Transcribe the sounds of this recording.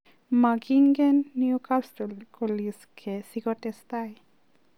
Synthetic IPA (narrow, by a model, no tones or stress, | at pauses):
maɡiŋɡɛnːjukasʈɔlkoliskʰɛsiɡɔtɛst̪aj